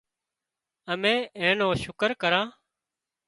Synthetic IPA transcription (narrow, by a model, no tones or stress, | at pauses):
əmẽːeːnoːʃʊkəɾkəɾãː